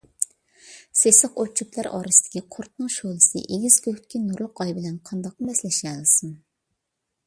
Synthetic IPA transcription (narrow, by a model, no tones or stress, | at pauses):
sesəqot͡ʃʰuklˠæɾɑ̰ːɾɨsɨ̥d̪ɪ̥kʲiqʰʊɾt̪̚nɨŋʃolˠɨsɨ̰ʔeɡʲizløht̪̚kʲinuɾlˠʊqɑjbɪlɛnqʰɑnd̪ɑq̚ːmɛslɛʃɛlɨsɨm